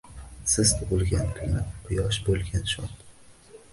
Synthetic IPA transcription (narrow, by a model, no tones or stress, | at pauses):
sɪzt̪ʰʊbʊlˠɡʲant̪ʰʊmɪqʰʊjɒʃbolˠɡʲanʃɒt̪